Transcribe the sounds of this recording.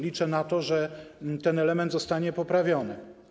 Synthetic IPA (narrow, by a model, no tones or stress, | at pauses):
lʲit͡ʂɛnat̪ɔʐɛt̪ɛnɛlɛmɛnd̪zɔst̪aɲɛpɔpɾavʲjɔnɘ